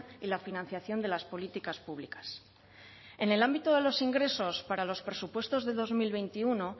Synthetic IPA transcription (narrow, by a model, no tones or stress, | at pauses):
ilafinãn̟θjaθjo̞nd̪e̞laspo̞lit̪ikaspuβlikḁs | e̞ne̞lambit̪oðe̞lo̞siŋɡɾe̞so̞spaɾalo̞spɾe̞supwe̞st̪o̞zðe̞ðo̞zmilβe̞jnt̪iuno̞